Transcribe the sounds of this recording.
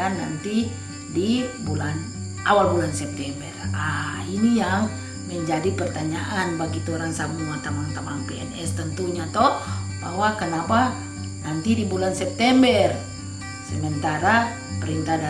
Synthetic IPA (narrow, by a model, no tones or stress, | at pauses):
anːant̪i | dibulan | ʔawalbulansɛp̚t̪ɛmbərainijaŋ | məɲd͡ʒadipərt̪aɲaʔanbaɡit̪uoɾaŋsamuat̪amaŋt̪amaŋpɛɛnɛst̪ənt̪uɲat̪ɔhba̰ɦwakənapa | nant̪idibulansɛp̚t̪ɛmbər | səmənt̪aɾa | pəɾint̪ada